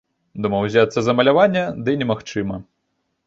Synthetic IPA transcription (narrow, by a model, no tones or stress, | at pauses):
d̪umɐwzʲat̪sːɐzɐmɐlʲavanʲːɐd̪ɨnʲɛmaxt͡ʂɨmɐ